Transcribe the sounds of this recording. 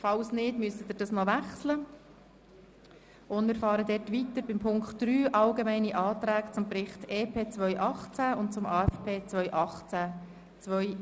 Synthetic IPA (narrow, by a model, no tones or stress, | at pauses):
fɑlsnɪtmyəsət̪ɪɾd̥ɑsnɔʋæχslə | ʔʊnmɪːɾfɑːɾəd̪ɛtʋit̪əɾbɪmpʰʊŋktdɾyːʔɑlɡemɛɪniʔɑːt̪ɾæːkt͡sʊmpɾɪχt̪eːpʰeːt͡sʋœʏʔɑχt͡sæʊntt͡sʊmɑːɛfpʰeːt͡sʋœʏʔɑχt͡sæ | t͡sʋœʏ